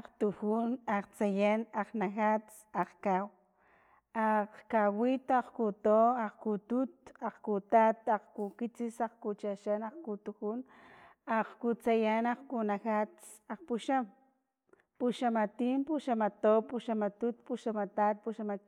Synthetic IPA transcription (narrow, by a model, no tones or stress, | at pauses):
aqt̪uxunaqt͡sajanaqnaxat͡s | aqkaw | aqkawit̪oaqkut̪oaqkut̪ut̪aqkut̪at̪aqkukit͡sisaqkut͡ʃaʃanaqkut̪uxun | aqkut͡sajanaqkunaxat͡s | aqpuʃam | puʃamat̪iːmpuʃamat̪opuʃamat̪ut̪̚puʃamat̪at̪̚puʃama